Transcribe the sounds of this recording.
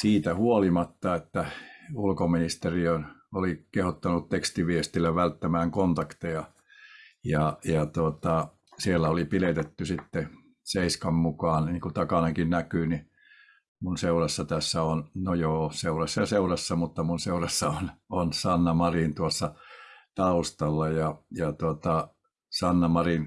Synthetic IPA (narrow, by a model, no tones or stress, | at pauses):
siːt̪æhuolimɑt̪ːɑet̪ːæulkominist̪eriønolikehot̪ːɑnut̪t̪ekst̪iʋiest̪ilːæʋælt̪ːæmæːŋkont̪ɑkt̪ejɑ | jɑjɑt̪ot̪ɑ | sielːæolipilet̪et̪ːysit̪ːe | seiskɑmmukɑːnniːŋkut̪ɑkɑneŋkinnækyni | munseurɑsːɑt̪æsːæonnojoːseurɑsːɑjɑseurɑsːɑmut̪ːɑmunseurɑsːɑononsɑnːɑmɑrint̪uosːɑt̪ɑust̪ɑlːɑjɑjɑt̪uot̪ɑ | sɑnːɑmɑrin